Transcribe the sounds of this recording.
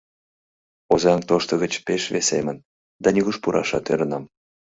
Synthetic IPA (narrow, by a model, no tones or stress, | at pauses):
ozɑŋt̪oʃt̪əɣət͡ɕpeʃvesḛmən | d̪ɑnʲyɣuʃpuɾʔɑ̰ʃɑ̰t̪øɾə̆nɑm